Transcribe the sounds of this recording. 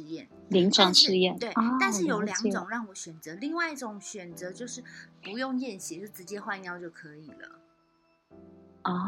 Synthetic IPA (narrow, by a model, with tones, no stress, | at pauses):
jɛ˥˩n | li˧˥ŋʈ͡ʂʰwɑ˨˧˦ŋʂɻ̩˥˧jɛ˥˨nt̪we˥˩ɪ˥˧nʂɻ̩˥˩jo˨˦ʊljɑ˧˦˥ŋ˨ʈ͡ʂʊ˨˩˦ŋɻɑ˥˩ŋwɔ˨˦ɕɥɛ˨˩nt͡sɤ˨˦li˥˧ŋwa˥˧ɪi˥˩ʈ͡ʂʊ˨˩˦ŋɕɥɛ˨˩nt͡sɤ˨˦t͡ɕjo˥˧ʊʂɻ̩˥˩pu˧˥jo˥˧ŋjɛ˥˩nɕi˨˦t͡ɕʂt͡sɻ̩˧˥t͡ɕjɛ˥xwa˥˧njɑ˥˧ʊt͡ɕjo˥˩ʊkʰɤ˧˦i˨˩lə̰˩˦ | ɔ˥˩